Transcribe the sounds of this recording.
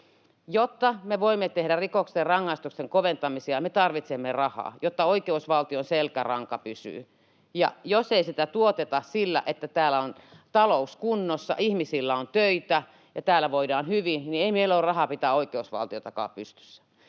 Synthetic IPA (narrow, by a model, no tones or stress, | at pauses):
jot̪ːɑmeʋoimːet̪ehɾærikokserrɑŋːɑist̪ukseŋkoʋent̪ɑmisiɑmet̪ɑrʋit̪semːerɑhɑ̰ːjot̪ːɑoikeusʋɑlt̪ionselkærɑŋkɑpysy̰ː | jɑ̰joseisit̪æt̪uot̪et̪ɑsilːæ̰ʔet̪ːæt̪æːlːæont̪ɑlouskunːosːɑ̰ʔihmisilːæont̪øit̪æ | jɑt̪æːlːæʋoidɑːnhyʋinnieimeilːoːrɑhɑpit̪æoikeusʋɑ̰lt̪iot̪ɑkɑ̰ːpyst̪y̥sːæ̥